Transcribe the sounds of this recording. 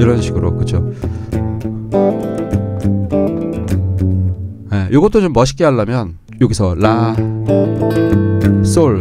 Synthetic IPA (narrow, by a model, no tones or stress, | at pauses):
iɾʌnɕʰiɡɯɾokɯt͡ɕʰo | ne̞joɡʌt͈ot͡ɕomːʌɕʰi̥k͈eaɭːamjʌn | joɡisʰʌla | s͈oɭ